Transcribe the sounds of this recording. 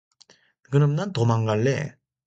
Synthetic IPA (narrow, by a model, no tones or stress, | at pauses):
kɯnɯmnant̪omaŋɡaɭːḛ